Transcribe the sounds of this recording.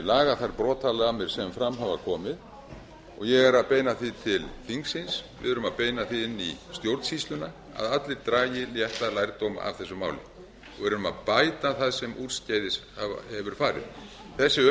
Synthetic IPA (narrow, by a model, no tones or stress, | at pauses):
laːɣaθaɾpɾɔːt̪ʰalɛɣamɛɾ̥sɛmfɾamɦavakʰɔːmɪð | ɔɣjɛɣɛɾaðpeːjnaθit̪ʰɪlθiŋksɪnsvɪ̰ðʏɾʏmaðpeːjnaθiɪnːḭst̪jowɾt̪shist̪ʏna | a̰ðat̪lɪɾt̪ɾaːjɪljɛht̪lalajɾt̪owma̰a̰v̥θɛsːʏma̰ːwlɪ̰ | ɔɣvɪɾʏɾʏma̰ðpaːjt̪aθaðsɛmʔuɾscaːjðɪshava̰hɛvʏɾ̥faːɾɪ̰ð̥ | θɛsːɪœ